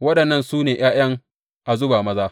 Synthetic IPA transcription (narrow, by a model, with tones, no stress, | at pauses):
wɐ˦ɗɐ˨nːɐ˦˨nsuː˦neː˨j̰aː˦j̰ɐ˦ŋ | ʔa˨zʊ˦baː˨mɐ˦zaː˦